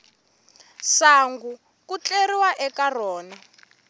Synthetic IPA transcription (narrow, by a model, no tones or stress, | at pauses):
saŋɡu | kut͡ɬeriwaʔɛkarɔːna